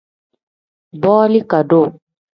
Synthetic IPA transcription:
bɔː˦li˦ka˨ɖo˦˨

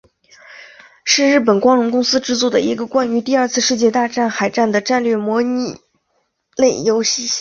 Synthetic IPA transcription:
ʂɻ̩˥˧ɻɻ̩˥˩p̬ə˨˩nkwɑ˥ŋɻʊ˧˥ŋkʊ˥ŋsɹ̩˥ʈ͡ʂɻ̩˥˧t͡swɔ˥˩d̪ə˩i˧˥ɡə˧kwa˥ny˧˥t̪i˥˧ɐ˞˥˧t͡sʰɹ̩˥˧ʂɻ̩˥˧t͡ɕjɛ˥˧t̪a˥˧ʈ͡ʂa˥˩nxa˨˩ɪʈ͡ʂa˥˩nd̪ə˩ʈ͡ʂa˥˧nlɥɛ˥˩mwɔ˧˥ni˥˧˩ | le˥˩ɪjo˥ʊɕi˧˥

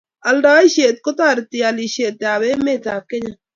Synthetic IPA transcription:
ɐlɖaː˦iʃeː˨t̪̚kot̪aːɾt̪ialiʃeː˨t̪ːaː˨βe˦meː˦˨t̪aː˨kːe˦ɲa

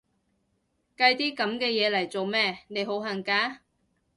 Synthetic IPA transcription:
kɐ˧jt̪iː˥kɐ˨˥mkɛː˧jɛː˨˧lɐ˨˩jt͡so˨wmɛː˥˩ne˨˧˥jɦo˨˥wɦɐ˨˩ŋkaː˧˥

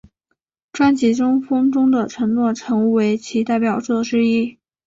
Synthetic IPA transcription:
ʈ͡ʂwa˥nt͡ɕi˧˥ʈ͡ʂʊ˥ŋfɤ˥ŋʈ͡ʂʊ˥ŋd̪ə˨ʈ͡ʂʰɤ˧˥ŋnwɔ˥˩ʈ͡ʂʰɤ˧˥ŋu˥˩we˧˥ɪt͡ɕʰi˧˥t̪a˥˩ɪpjɑ˨˩ʊt͡swɔ˥˩ʈ͡ʂɻ̩˥i˥˩

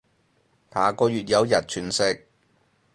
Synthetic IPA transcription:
pʰaː˨˩kɔː˧jyː˨t̚jɐ˨˧wjɐ˨t̚t͡ʃʰyː˨˩nsɪ˧k̚

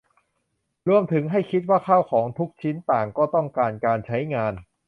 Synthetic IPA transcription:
ɾu˧əmt̪ʰɯ˩˦ŋɦa˥˩jkʰi˦˥t̪̚waː˥˩kʰaː˥˩wkʰɔː˩˦ŋt̪ʰu˦˥k̚t͡ɕʰi˦˥nt̪aː˨˩ŋkɔː˥˩t̪ɔ˥˩ŋkaː˧nkaː˧nt͡ɕʰa˦˥jŋaː˧n

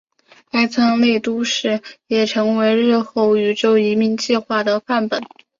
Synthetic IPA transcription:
a˥ɪt͡sʰɑ˥ŋle˥˩ɪt̪u˥ʂɻ̩˥˩jɛ˨˩ʈ͡ʂʰɤ˧˥ŋwe˧˥ɪɻɻ̩˥˧xo˥˩ʊy˨˩ʈ͡ʂo˥˩ʊi˧˥mi˧˥˧ŋt͡ɕi˥˧xwa˥˩d̪ə˩pa˥˩npə˨˩˦

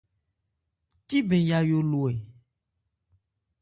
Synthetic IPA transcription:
t̪i˦bẽ˨ja˨jo˨lo˨e˨

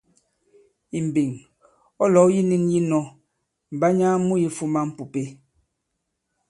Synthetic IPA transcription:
i˨m̩˨bi˨ŋ | ɔ˦lɔ˨˦ji˦ni˦nji˦nɔ˦ | m̩˨ba˦ɲa˦mu˦ji˦fu˦ma˦m̩˦pu˨pe˦

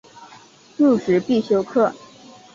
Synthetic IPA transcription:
ʈ͡ʂu˥˩ʈ͡ʂɻ̩˨˥pi˥˩ɕjo˥ʊkʰɤ˥˩

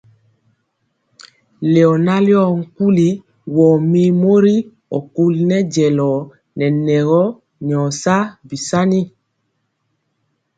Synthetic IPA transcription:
le˨ɔ˨na˦ljɔ˦˨ŋ̩˨ku˦li˦ | wɔː˨mi˦mo˦ɾi˦ | ɔ̰˨ku˦lnɛ˦ɟɛ˨lɔ˨ | nɛ˨nɛ˨ɣɔ˦ | n˨ɔ˨sa˦bi˨sa˦ni˦

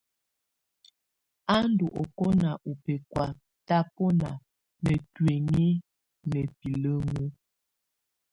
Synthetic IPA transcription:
a˦n˦du˨ʔɔ˨ko˦na˨ʔu˨pe˨kwa˨ | ta˦pɔ˦na˨ | nə˨twe˨ŋi˦ | nɛ˨pi˨lə˦ŋu˦

